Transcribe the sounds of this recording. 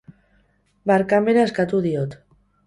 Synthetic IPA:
baɾkameɾaeskat̪uðiot̪

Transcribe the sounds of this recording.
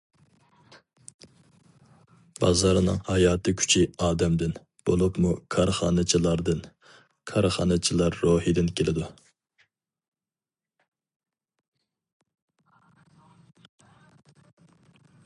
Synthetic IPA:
bɑ̰zɑɾnɨ̰ŋhɑjɑːt̪ɨkʲʰy̥t͡ʃʰiɑːd̪ɛmd̪ɪn | b̥olˠupmukʰɑɾχɑ̰ːnɨt͡ʃʰilˠɑɾd̪ɨn | kʰɑɾχɑ̰ːnɨt͡ʃʰilˠɑɾːoːhid̪ɪnkʲelɪd̪u

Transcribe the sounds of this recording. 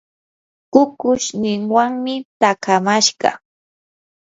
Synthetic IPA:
kʊkʊʃnɪŋwaŋmɪt̪akʰamaʃɢɑ̰

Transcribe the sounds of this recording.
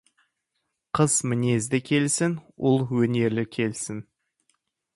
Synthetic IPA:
qʰəz̥mɪne̞zd̪ɪkʲʰe̞lsɪnwʊ̰lˠwɵne̞ɾlɪkʲʰe̞lsɪn

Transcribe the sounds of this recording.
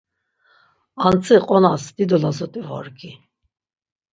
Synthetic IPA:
ant͡sʰʼiqʼɔnasd̪̥id̪ɔlazɔt̪ʼivɔ̰ɾɡi

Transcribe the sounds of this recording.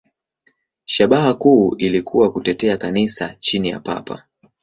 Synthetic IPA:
ʃaɓaɦakuːʔilikʰuwakutɛtɛakanisat͡ʃinija̰pa̰pʰa̰

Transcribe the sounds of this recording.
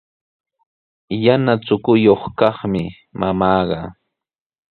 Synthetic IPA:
janat͡sʊkʊjoχkɑχmɪ | mʔamɑːɢɑ

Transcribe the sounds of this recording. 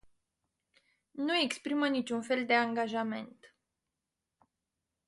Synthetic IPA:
nue̞kspɾimənit͡ʃunfe̞ld̪e̞aŋɡaʒame̞̰nt̪

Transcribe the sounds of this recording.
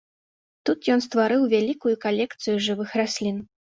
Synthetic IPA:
t̪ut̪jɔnst̪vaɾɨwvʲalʲikujukalʲɛkt̪sɨjuʐɨvɨxrasʲlʲin

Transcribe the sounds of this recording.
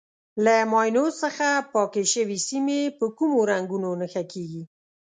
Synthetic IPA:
lamɑjnosəxapɑkeʃəwisimepəkumoɾaŋɡunonəxakeɡi

